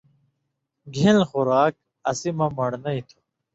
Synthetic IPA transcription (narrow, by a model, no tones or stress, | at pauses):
ɡʱilxuɾaːk̚ | ɐsimɐmɐɽnɐit̪ʰo̥